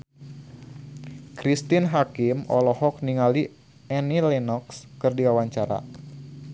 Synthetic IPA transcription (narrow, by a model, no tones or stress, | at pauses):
kɾist̪ɪnɦakɪmɔ̰lɔhɔk̚niŋali | ɛnilɛnɔkskɨrdiwawaɲt͡ʃaɾa̰